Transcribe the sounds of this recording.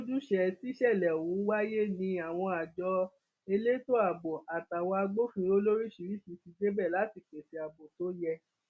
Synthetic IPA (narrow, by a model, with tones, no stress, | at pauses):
o˦d͡ʒu˦ʃɛ˧ti˦ʃɛ˦˨lɛ˨wũ˨˦wa˦je˦nĩ˧a˨w̃ɔ̃˧a˨d͡ʒɔ˧ | e˧le˦to˦a˨bo˨a˨ta˨wɔ˧a˧ɡ͡bo˦fĩ˧˦o˦lo˦ɾi˦ʃi˧ɾi˦si˧˦ti˧d͡ʒe˦bɛ˦˨la˨˦ti˦˨k͡pe˨se˨˦a˨bo˨to˦jɛ˧